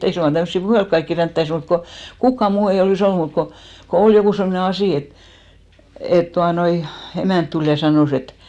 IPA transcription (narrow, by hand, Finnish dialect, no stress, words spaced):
ei suŋkːɑ tæmsːi puhelk kɑikːi ræntːæis mut ko kukːɑ muː ei oliˑs olːu mut ko ko ol jokuˑ semne ɑsiˑ et et tuɑnoi emæˑnt tul jɑ sɑnoˑs et